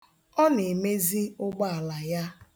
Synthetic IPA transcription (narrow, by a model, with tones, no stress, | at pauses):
ɔ˦ne˨me˦zi˦ʊ˦ɡ͡ba˦a˨la˨ja˦